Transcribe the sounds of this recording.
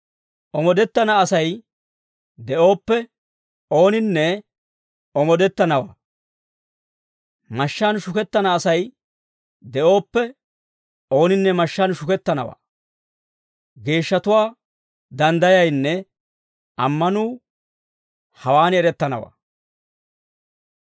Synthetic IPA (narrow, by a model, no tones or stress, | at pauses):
ʔɔmɔd̪ɛt̪ːɐnɐːsɐj | d̪ɛʔo̞ːpːɛ | o̞ːnɪnːɛ | ɔmɔd̪ɛt̪ːɐnɐwa̰ː | mɐʃːɐnʃʊkɛt̪ːɐnɐːsɐj | d̪ɛʔo̞ːpːɛ | o̞ːnɪnːɛmɐʃːɐnʃʊkɛt̪ːɐnɐ̰wa̰ː | ɡe̞ːʃːɐt̪ʊwaː | d̪ɐnd̪ɐjɐjnːɛ | ʔɐmːɐnuː | hɐwaːnɛɾɛt̪ːɐnɐ̰wa̰ː